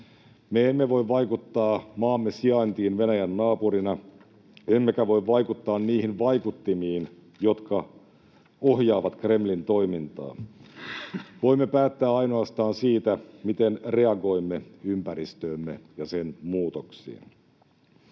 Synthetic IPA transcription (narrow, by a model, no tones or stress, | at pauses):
meemːeʋo̞iʋʋɑjkut̪ːɑːmɑːmːesiɑint̪iːnʋenæjænːɑːpuɾinɑ | emːe̞kæʋo̞iʋʋɑjkut̪ːɑːnniːhinʋɑjkut̪ːimiːn | jo̞t̪kɑ | o̞ɦjɑːʋɑt̪kre̞mlint̪o̞imint̪ɑ̰ː | ʋo̞imːepæːt̪ːæːɑjno̞ɑst̪ɑːnsiːt̪æmit̪enre̞ɑɡo̞imːeympæɾist̪øːmːejɑsenmuːt̪oksḭːn